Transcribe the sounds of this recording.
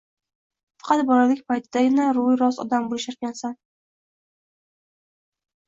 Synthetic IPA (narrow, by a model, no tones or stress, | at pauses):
fɑ̥qʰɑt̪bɒlalɪk̚ʲpajt̪ʰɪd̪aɡʲɪnaɾʊjɾɒzɒ̰d̪ambolɪʃaɾkʲansan